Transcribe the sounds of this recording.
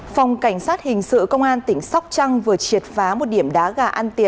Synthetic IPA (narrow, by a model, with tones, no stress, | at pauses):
fa˨˩wŋ͡mka˧˩jŋ̟saː˦˥t̚hï˨˩ŋ̟sɨ̰˧˨kə˧wŋ͡mʔaː˧nt̪ï˧˩ŋ̟sa˦˥wk͡p̚t͡ɕa˧ŋvɨ˨˩ət͡ɕi˨˩ət̚faː˨˦mo˨˩t̚ɗi˧˩əmɗaː˨˦ɣaː˧˩ʔa˧nt̪i˧˩ə˨n